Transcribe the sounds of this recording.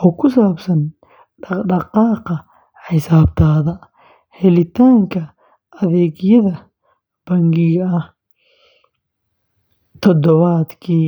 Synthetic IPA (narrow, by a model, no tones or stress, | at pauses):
ʔɔːkʰʊsaːbsɐn | ɖɖɑqɑːqɐ | ħɪsaːb̚t̪ʰaːðɐ | hɛlɪt̪ʰaːŋkʰɐ | ʔɐðɛːɣjɐðɐ | b̥ɐŋɡɪɣɐɐh | t̪ʰɔd̪ɔβaːd̪kʰiː